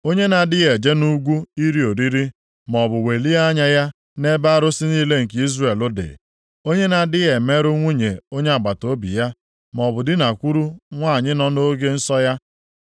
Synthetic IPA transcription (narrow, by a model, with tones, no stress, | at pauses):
o˦ɲe˦na˨dɪ˦ɣe˨d͡ʒe˦nu˦ɡʷu˦i˦ɾi˦o˨ɾi˦ɾi˦ | mɔ˨bʊ˨we˨li˦a˦ɲa˦ja˦ | ne˦ba˦a˦ɾʊ˦sɪ˦niː˦le˦ŋ̩˨ke˨i˦zre˨lʊ˦dɪ̰˨ | o˦ɲe˦na˨dɪ˦e˨me˦ɾʊ˦ŋʷu˦ɲe˨o˦ɲe˦a˨ɡ͡ba˨to˦bḭ˨ja˦ | mɔ˨bʊ˨dɪ˦na˨kʷu˦ɾu˦ŋʷaː˦˨ɲɪ˦nɔ˦no˦ɡe˦n̩˦sɔ˦ja˦